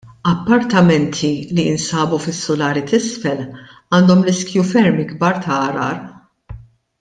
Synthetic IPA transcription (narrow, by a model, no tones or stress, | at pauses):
ɐpːɐɾt̪ɐmɛnt̪ʰiliɪnsɐːbufɪsːʊlɐːɾit̪ɪsfɛl | ɐːnd̪ɔmlɪskjufɛɾmɪɡbɐɾt̪ʰɐːɾɐ̰ːɾ